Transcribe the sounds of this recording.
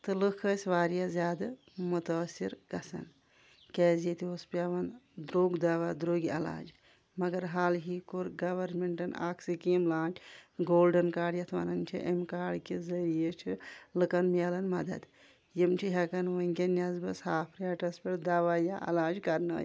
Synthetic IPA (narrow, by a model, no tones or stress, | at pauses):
t̪ɨlɨkʰəsʲʋaːɾijazʲaːd̪ɨ | mut̪ɐːsːiɾɡɐsɐ̰n | kɛːzet̪iospɐʋɐnd̪ɾoːɡd̪ɐʋad̪ɾoːɡiɐ̰la̰ːd͡ʒ | mɐɡɐɾɦaːlɦikoɾɡɐʋɐɾmeɳʈɐna̰ːkʰsikimlaːt͡ʃʰɡoːlɖɐnkaːɽjɐt̪ʰʋa̰nɐnt͡ʃʰḭʔɐ̰mkaːɽkizɐɾijet͡ʃʰilɨkɐnmʲelɐnmɐ̰d̪ɐ̰d̪ | jimt͡ʃʰiɦɐkɐnʋɐŋkʲenʲɐzbɐshaːpʰɾaːʈɐspʲeɽd̪ɐʋaːjaʔɐ̰laːd͡ʒkɐɾnɐ̰ːj